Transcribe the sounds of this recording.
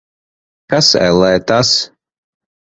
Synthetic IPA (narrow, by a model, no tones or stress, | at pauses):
kasɛ̰lˠɛjt̪as